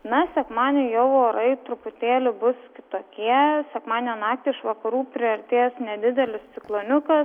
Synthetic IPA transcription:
nɐsʲɛkmɑːnʲejoʊoːɾɐɪt̪ɾʊpʊt̪ʲeːlʲɪbʊskʲɪt̪oːkʲiɛsʲɛkmɑːnʲenɑːk̚t̪ʲeɪɪʃʋɐkɐɾuːpʲɾʲɪɐɾʲt̪ʲeːsnʲɛd̪ʲɪd̪ʲɛlʲɪst̪sʲɪklˠonʲʊkɐs

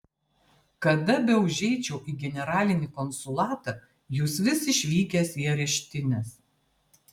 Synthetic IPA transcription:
kɐd̪ɐbʲɛʊʒʲɛɪt͡ʃʲɛʊʔiːɡʲɛnʲɛɾɑːlʲɪnʲiːkɔnsʊlˠɑːt̪ɐ | juːsʋʲɪsɪʃʲʋʲiːkʲɛsiɛɾʲɛʃʲt̪ʲɪnʲɛs

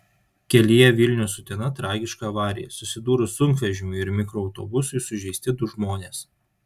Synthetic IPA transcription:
kʲɛlʲɪjɛʋʲɪlʲnʲʊːsʊt̪ʲinɐt̪ɾɑːɡʲɪʃkɐːʋɑːɾʲɪ̰jɛ̰sʊsʲɪd̪uːɾʊsʊŋkʋʲɛʒʲɪmʲʊɪɾmʲɪkɾɔɐʊt̪o̰ːbʊsʊɪsʊʒʲɛɪsʲt̪ʲɪd̪ʊʒmoːnʲeːs

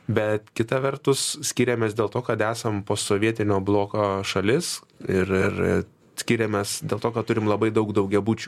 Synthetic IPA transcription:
bʲɛt̪kʲɪt̪ɐʋʲɛrt̪ʊssʲkʲiːɾʲemʲeːsd̪ʲeːlˠt̪oːkɐt̪æːsɐmpoːsoːʋʲiɛt̪ʲɪnʲoːblˠoːkoːʃɐlʲɪs | ɪɾɪɾɪ̰ | sʲkʲiːɾʲemʲɛsd̪ʲeːlˠt̪oːkɐtt̪ʊɾʲɪmlˠɐbɐɪd̪ɐʊkd̪ɐʊkɡʲɛbuːt͡ʃʲu̥

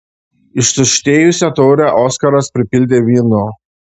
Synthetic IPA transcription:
ɪʃsʊʃʲt̪ʲeːjʊsʲɛt̪oːɾʲæʔɔːskɐɾɐspʲɾʲɪpʲɪlʲd̪ʲeːʋʲiːnoː

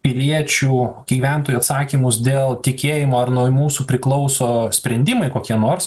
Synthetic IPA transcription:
pʲɪlʲiɛt͡ʃʲuːɡʲiʋʲæˑnt̪oːjuɐt̪sɑːkʲimʊsd̪ʲeːlˠt̪ʲɪkʲeːjɪmoːɐrnoːjmuːsupʲɾʲɪklˠɒʊsoːsʲpʲɾʲɛnʲd̪ʲɪmɐɪkoːkʲiɛnoːɾs

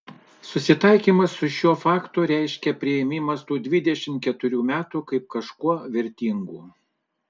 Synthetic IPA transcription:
sʊsʲɪt̪ɐɪkʲiːmɐsːʊʃʲuɔfɑːkt̪uːɾʲæɪʃʲkʲɛpʲɾʲɪjɛmʲɪmɐst̪uːd̪ʲʋʲɪd̪ʲɛʃʲɪmt̪̚kʲɛt̪ʊɾʲuːmʲæːt̪uːkɐɪp̚kɐʃkuɔʋʲɪɾʲt̪ʲiŋɡuː

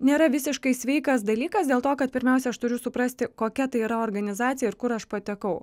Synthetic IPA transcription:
nʲeːɾɐʋʲɪsʲɪʃkɐɪsʲʋʲɛɪkɐsd̪ɐlʲiːkɐsd̪ʲeːlˠt̪oːkɐt̪̚pʲɪɾʲmʲɛˑʊsʲɛɐʃt̪ʊɾʲʊsʊpɾɐsʲt̪ʲɪkoːkʲɛt̪ɐɪiːɾɐoːɾɡɐnʲɪzɑːt̪sʲɪjɛɪɾkʊɾɐʃpɐt̪ʲɛkɐʊ

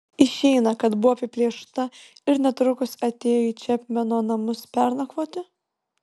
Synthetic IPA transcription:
ɪʃʲɛɪnɐkɐt̪bʊʋoːɐpʲɪpʲlʲiɛʃt̪ɐɪɾnʲɛt̪ɾʊkʊsɐt̪ʲeːjoiːt͡ʃʲɛpʲmʲɛnoːnɐmʊspʲɛɾnɐkʋoːt̪ʲɪ

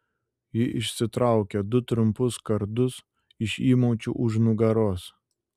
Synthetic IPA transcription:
jɪʔɪʃʲsʲɪt̪ɾɑˑʊkʲɛd̪ʊt̪ɾʊmpʊskɐɾd̪ʊs | ɪʃiːmoʊt͡ʃʲuʔʊʒnʊɡɐɾoːs

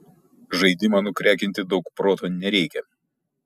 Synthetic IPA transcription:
ʒɐɪd̪ʲɪmɑːnʊkʲɾʲæːkʲɪnʲt̪ʲɪd̪ɒʊkpɾoːt̪oːnʲɛɾʲɛɪkʲɛ

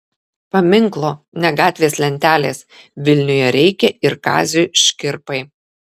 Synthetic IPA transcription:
pɐmʲɪŋklˠoː | nʲɛɡɑːt̪ʲʋʲeːslʲɛnʲt̪ʲæːlʲeːsʋʲɪlʲnʲʊjɛɾʲɛɪkʲɛɪɾkɑ̰ːzʲuʃʲkʲɪɾpɐɪ

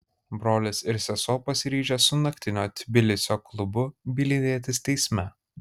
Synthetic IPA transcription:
bɾoːlʲɪsɪɾsʲɛsoːpɐsʲɪɾʲiːʒʲɛsʊnɐkʲt̪ʲɪnʲoːt̪ʲɪbʲɪlʲɪsʲoːklˠʊbʊbʲilʲɪd̪ʲeɛt̪ʲɪst̪ʲɛɪsʲmʲɛ

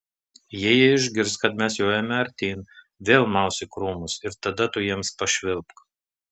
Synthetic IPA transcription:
jiːjɛɪʒʲɡʲɪɾskɐt̪mʲɛsjoːjɛmʲɛɐɾʲt̪ʲiːn | ʋʲeːlˠmɑʊsʲɪkɾuːmʊsɪɾt̪ɐd̪ɐt̪ʊjiɛmspɐʃʲʋʲɪlˠpk

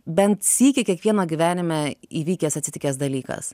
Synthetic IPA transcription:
bʲɛnt̪sʲiːkʲɪkʲiɛkʋʲiɛnoːɡʲɪʋʲæːnʲɪmʲɛiːʋʲiːkʲeːsɐt̪sʲɪt̪ʲɪkʲeːsd̪ɐlʲiːkɐ̰s

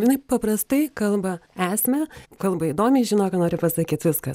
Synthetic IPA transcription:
jɪnɐɪpɐprɐst̪ɐɪkɐlˠbɐæːsʲmʲɛkɐlˠbɐiːd̪oːmʲɛɪʒʲɪnoːkɐnoːɾʲɪpɐsɐkʲiːt̪ʋʲɪskɐ

